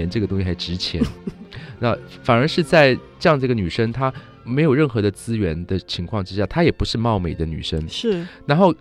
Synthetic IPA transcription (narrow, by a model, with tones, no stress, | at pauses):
ɛ˧˥nʈ͡ʂɤ˥˩ɡət̪ʊ˥ŋɕi˧˩xa˧˥ɪʈ͡ʂɻ̩˧˥t͡ɕʰjɛ̰˧˥nna˥˩fa˨˩nə˞˧˥ʂɻ̩˥˧t͡sa˥˧ɪʈ͡ʂɤ˥˧jɑ˥˧ŋd͡zɡə˩ny˨˩ʂə˥ŋt̪ʰa˥ | me˧˥ɪjo˨˩ʊɻə˥˩nxɤ˧˥d̪ə˧t͡sɹ̩˥ɥɛ˧˥nd̪ə˨t͡ɕʰi˧˥ŋkʰwɑ˥˧ŋʈ͡ʂɻ̩˥ɕja˥˩t̪ʰa˥jɛ˨˩pu˧˥ʂɻ̩˥˧mɑ˥˩ʊme˨˩ɪd̪ə˦ny̰˨˩ʂə˥ŋʂ̩˥˩ɻa˧˥nxo˥˩ʊ